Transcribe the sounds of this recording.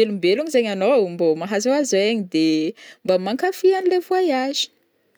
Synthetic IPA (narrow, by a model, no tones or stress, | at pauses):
elumbeluɲizeɲanombomaɦazaazoeɲid̪embamaŋkafianilevuajazi̥